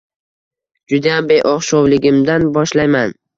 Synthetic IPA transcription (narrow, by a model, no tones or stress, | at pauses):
d͡ʒʊd̪ajambejʔɒχʃɒwlɪɡʲɪmd̪anbɒʃlajman